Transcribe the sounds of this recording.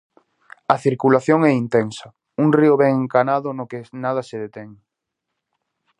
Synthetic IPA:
ɐθiɾkulaθjoŋɛint̪ɛnsɐ | uŋriʊβɛŋŋkanaðʊnokɪnaðɐseðet̪ɛŋ

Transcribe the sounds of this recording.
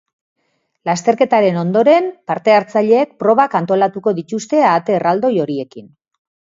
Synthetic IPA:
last̪e̞ɾke̞t̪aɾe̞no̞nd̪o̞ɾe̞mpaɾt̪e̞aɾt͡saʎe̞ːk̚pɾo̞βakant̪o̞lat̪uko̞ðit̪ust̪e̞aːt̪e̞rald̪o̞jo̞ɾie̞kin

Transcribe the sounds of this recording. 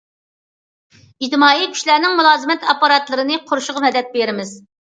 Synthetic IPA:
id̪mɑːjikʲʰy̥ʃlæɾnɪŋmulˠɑːzɨmɛt̪ʰɑpːɑɾɑt̪lˠɨɾɨnɨqʰʊɾuʃʊʁɑmɛd̪ɛt̪̚beɾɪmɪz

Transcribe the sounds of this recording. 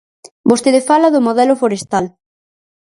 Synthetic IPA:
bost̪eðefalɐðʊmoðɛlʊfoɾest̪al

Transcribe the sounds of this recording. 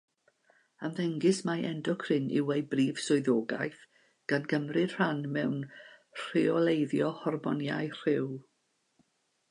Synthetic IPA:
amðɛŋɡɪsmaʔɛndɔkʰr̥ɪnɪ̰wejbriːv̥sʊɨðoːɡa̰jθ | ɡ̥anɡəmrɪ̥r̥anmɛwnr̥ɪɔlˠejðjɔhɔrmɔnja̰ɨr̥ɪw

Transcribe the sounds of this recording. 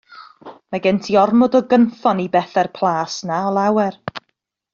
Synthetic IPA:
maɡɛntʰiɔrmɔdɔɡənθɔnibɛθɛrpʰlˠaːsnaɔlˠawɛr

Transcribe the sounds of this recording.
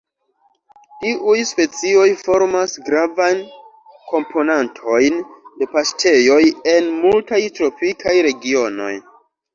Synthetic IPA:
tiʔujspe̞t͡sio̞jfo̞ɾmasɡɾavan | kʰo̞mpʰo̞nantʰo̞jnde̞pastʰe̞jo̞je̞nmultajtɾo̞pikʰajɾe̞ɡio̞no̞̰j

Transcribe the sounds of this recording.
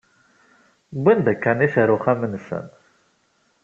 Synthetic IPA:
bʷænd̪ækːæniθəɾuχæmənsə̰n

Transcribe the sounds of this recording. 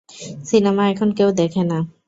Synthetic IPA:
sinɛmaɛkʰɔnkewd̪ɛkʰɛna

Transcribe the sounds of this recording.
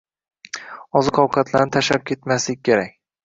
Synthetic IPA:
ɒzɨqʰɒwqʰɑt̪ʰlaɾnɪt̪ʰaʃap̚kʲʰe̞t̪maslɪk̚ʲkʲʰːe̞ɾakʲ

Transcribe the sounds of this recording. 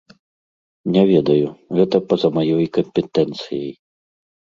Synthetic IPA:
nʲɛvʲɛd̪ɐjuɣɛt̪ɐpɐzɐmajɔjkɐmpʲɛt̪ɛnt̪sɨjɐj

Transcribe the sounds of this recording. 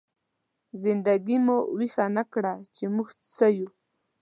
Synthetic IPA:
zɪnd̪aɡɪmowɪxanakɽat͡ʃɪmʊxt͡sajʊ

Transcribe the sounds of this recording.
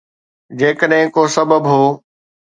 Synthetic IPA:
d͡ʑeːkəɗɦɪ̃koːsɐbəbɦoː

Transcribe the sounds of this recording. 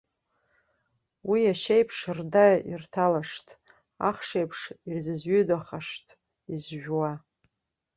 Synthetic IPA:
wiaʃejpʰʂrdaḭrtʰalaʂtʼ | a̰χʂejpʰʂirzɨzɥʏdaχaʂtʼ | izʒᶣwa

